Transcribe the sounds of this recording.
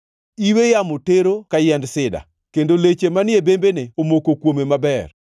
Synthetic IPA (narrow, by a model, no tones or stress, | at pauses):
iwejamoteɾokajɛndsɪda̰ | kendolet͡ʃemanjebembeneomokokwomemabɛr